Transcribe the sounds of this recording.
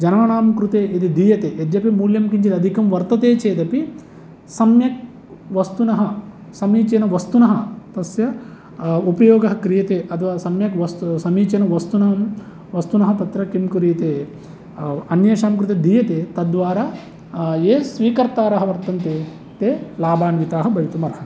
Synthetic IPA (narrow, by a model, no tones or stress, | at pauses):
d͡ʒɐnɐʋɐɳaːmkɾut̪eːʔid̪id̪iːjɐt̪eːʔed̪jɐpimuːljɐmkiɲt͡ʃid̪ɐd̪ʱikɐmʋɐɾt̪ɐt̪eːt͡ʃeːd̪ɐpi | sɐmjɐk̚ | ʋɐst̪unɐɦɐ | sɐmiːt͡ʃɐnɐʋɐst̪unɐɦɐt̪ɐsjɐ | upɐjoːɡɐɦɐkɾijɐt̪eːʔɐt̪ʰʋaːsɐmjɐkʋɐst̪sɐmiːt͡ʃɐnɐʋɐst̪unɐɦɐm | ʋɐst̪unɐɦɐt̪ɐt̪ɾɐkimkuɾijɐt̪eː | ɐnjɐːʃaːmɐk̬ɾut̪ɐd̪ʱiːjɐt̪eːt̪ɐd̪ʋaːɾaː | eːsʋiːkɐɾt̪aːɾɐɦɐʋɐɾt̪ɐnt̪eː | t̪eːlaːbaːnʋit̪aːɦɐbʱɐʋit̪umɐɾɦɐ